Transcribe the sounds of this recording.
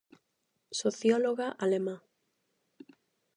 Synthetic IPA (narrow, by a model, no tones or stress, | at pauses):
soθjɔloɣaʔalemã